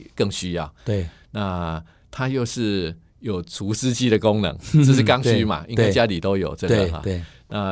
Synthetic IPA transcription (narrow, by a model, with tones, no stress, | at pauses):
kə˥˩ŋɕy˥jɑ˥˩ʊ˩ | na˥˧˩ | t̪ʰa˦˥jo˥˧ʊʂɻ̩˥˩ | jo˨˩ʊt͡sʰu˨˦ʂɻ̩˥t͡ɕi˥˩də˨ko˦ŋnə̰˧˦ŋə˥˧ʂ̩˥˩ka˦ŋɕy˥˦ma̰˨ʔḭ˥ŋwa˥˩t͡ɕja˦li˨˩t̪o˥ʊjo˨˩ʊt͡sɤ˥˩˧ɡə̰˩ɐ̰˨˩˥ | na˥˧